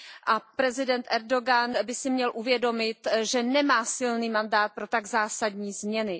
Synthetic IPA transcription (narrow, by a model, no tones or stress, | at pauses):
ʔapɾɛzɪdɛnt̪ʔɛɾdo̞ɡanbɪsɪmɲɛlʔuvjɛdo̞mɪt̪ʒɛnɛmaːsɪlniːmandaːt̪̚pɾo̞t̪aɡzaːsadɲiːzmɲɛnɪ